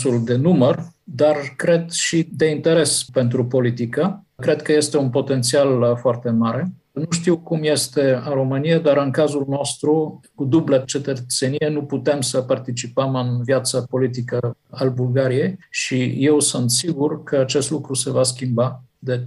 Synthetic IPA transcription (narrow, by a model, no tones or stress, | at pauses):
suld̪e̞numərd̪arkɾe̞d̪ʃid̪e̞int̪e̞ɾe̞spe̞nt̪ɾupo̞lit̪ikəkɾe̞d̪kəje̞st̪e̞unpo̞t̪e̞nt̪sialfoart̪e̞maɾe̞ | nuʃt̪iwkumje̞st̪e̞aɾomɨnijad̪aɾɨnkazulno̞st̪ɾukud̪ublat͡ʃe̞t̪ət̪se̞nijenuput̪e̞msəpart̪it͡ʃipəmɨnvjat̪səpo̞lit̪ikəalbulɡaɾije̞jʃije̞wsunt̪siɡurkəat͡ʃe̞st̪lukɾuse̞vaskʲimbad̪e̞